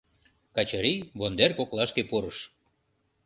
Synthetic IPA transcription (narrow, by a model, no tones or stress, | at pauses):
kɑt͡ɕɑɾiβond̪erkoklɑʃkepuɾəʃ